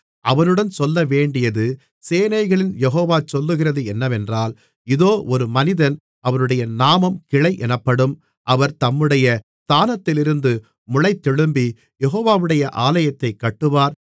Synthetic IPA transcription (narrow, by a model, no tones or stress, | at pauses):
ʔɐʋɐnɯɽɐnsɔlːɐʋeːɳɖɪjɐðɯ | seːnɐɪɣɐɭɪnjɛɦoːʋaːt͡ʃɔlːɯɣɪrɐðɯɛnːɐʋɛndraːl | ɪðoːʔɔɾɯmɐnɪðɐn | ʔɐʋɐnɯɽɐjɐnaːmɐmkɪɻɐɪʔɛnɐpːɐɽɯm | ʔɐʋɐɾt̪ɐmːɯɽɐjɐst̪aːnɐt̪ːɪlɪɾɯnd̪ɯ | mʊɻɐɪt̪ːɛɻɯmbi | jɛɦoːʋaːʋɯɽɐjɐʔaːlɐjɐt̪ːɐɪkːɐʈːɯʋaːɾ